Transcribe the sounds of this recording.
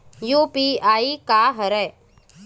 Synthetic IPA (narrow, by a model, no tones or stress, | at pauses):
juːpiaːikaːɦəɾɛ